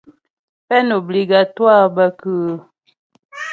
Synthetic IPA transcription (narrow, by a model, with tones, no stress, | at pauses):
fɛ˦no˨bli˨ɡa˨twa˦˨ba˦kə˦˨˦